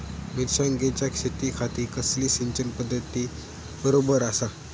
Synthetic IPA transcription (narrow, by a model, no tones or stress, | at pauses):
miɾɕaŋɡet͡ɕjakʂet̪iːkʰat̪iːkəsliːsiɲt͡ɕənpəd̪ʱːət̪iː | bəɾobəɾasa